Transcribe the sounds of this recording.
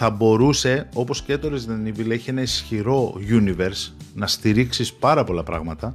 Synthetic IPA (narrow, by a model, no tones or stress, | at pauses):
θɐbo̞ɾuse̞o̞po̞scet̪o̞ɾezðɐnivileçie̞nɐisçiɾo̞ʝunive̞ɾsnɐst̪iɾiksispɐɾɐpo̞lɐpɾɐ̰ɣmɐt̪ɐ